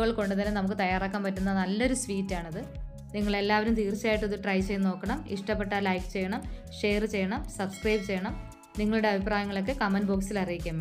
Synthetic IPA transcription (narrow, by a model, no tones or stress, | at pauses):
ɣɐɭko̞ɳɖɨt̪̬ɐnːenɐmukːɨt̪ɐjaːraːkːaːmpɐtːunːɐnɐlːo̞ɾusʋiːtːaːɳɐðɨ | niŋːɐɭe̞lːaːʋɐɾumt̪iːrt͡ɕːaːjiʈːɐðɨʈrɐjt͡ɕejno̞ːkːɐɳɐmiʂʈɐpːe̞ʈːaːlɐjkɨ̥t͡ɕe̞jːɐɳɐmʂe̞ːrt͡ɕe̞jːɐɳɐmsɐbskrɐjbt͡ɕe̞jɐɳɐm | niŋːɐɭuɽe̞ɐbʱipraːjɐŋːɐɭo̞k̬ːekɐmɐnboːksilɐrijikʲːum